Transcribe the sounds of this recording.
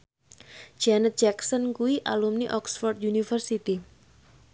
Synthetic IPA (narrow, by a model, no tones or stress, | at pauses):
d͡ʒ̥anət̪̚d͡ʒɛksənkuiʔa̰lumniʔɔksfɔrd̪junifərsit̪i